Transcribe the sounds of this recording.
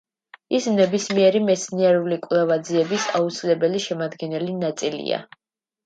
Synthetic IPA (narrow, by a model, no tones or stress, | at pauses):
ismnɛbismiɛɾimɛt̪sʰniɛɾulikʼvlɛvad̪ziɛbisaut̪sʰilɛbɛliʃɛmad̪ɡɛnɛlinat̪sʼilḭa̰